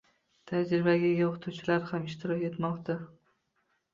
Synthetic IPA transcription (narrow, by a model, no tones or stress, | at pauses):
t̪ʰad͡ʒɾɪbaɡʲaɡʲaoqʰɨ̥t̪ʰuwt͡ʃʰɪlaɾhamɪʃt̪ʰɪɾɒkʲe̞t̪mɒqt̪ʰa